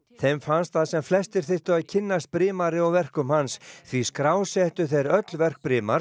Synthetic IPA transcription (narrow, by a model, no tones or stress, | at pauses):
θejmfanst̪θaðsɛmflɛst̪ɪɾ̥θɪht̪ʏaðcʰɪnːast̪̚pɾɪːmaɾɪɔvɛr̥kʏmhansθviskɾaːwsɛht̪ʏθejɾœt̪lvɛr̥k̚pɾɪːmaɾ